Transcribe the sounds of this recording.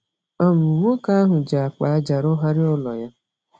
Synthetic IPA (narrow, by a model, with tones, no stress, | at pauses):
ɔ˦m̩˨ŋʷo˦ka˦a˦ɦʊ˨d͡ʒa˨a˨k͡pa˨a˦d͡ʒa˨ɾʊ˦ɦa˦ɾɪ˦ʊ˦lɔ̰˨ja˦